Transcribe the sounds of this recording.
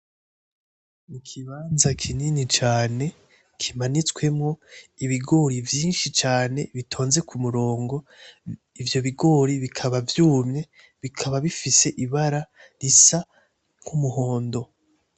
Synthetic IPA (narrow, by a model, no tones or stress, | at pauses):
nikʰiβaːnzakʰininit͡ʃaːne̞ | kʰimanit͡swe̞mŋo̞iβiɡo̞ːɾivjiːnʃit͡ʃaːne̞βitʰo̞ːnze̞kʰumuɾo̞ːŋɡo̞ | ivjo̞βiɡo̞ɾiβikʰaβavjuːmɲe̞ | βikʰaβaβifise̞ʔiβaɾa | ɾisa | ŋ̥humuɦo̞ːndo̞